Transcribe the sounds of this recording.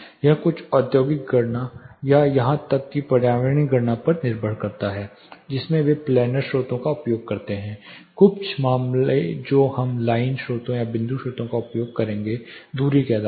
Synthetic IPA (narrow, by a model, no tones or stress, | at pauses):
jɐkʊt͡ʃʰɔːd̪joːɡɪk̚ɡɐɾnajajɐɦãt̪ɐkːipɐɽjaːʋəɾɽ̃iɡʱɐɾnapɐɾnɪɾbʱəɽkɐɾt̪aɦɛː | d͡ʒɪsmẽʋeplɛːnəɾʃoːt̪õkaʊpjoːɡ̚kɐɾt̪eɦɛ̃ːkʊbt͡ʃʰmaːmlḛd͡ʒoːhɐmlaːɪnʃoːt̪õjabɪ̃nd̪ʱuʃoːt̪õkaʊpjoːɡ̚kɐɾẽːŋɡed̪uːɾikɛːd̪a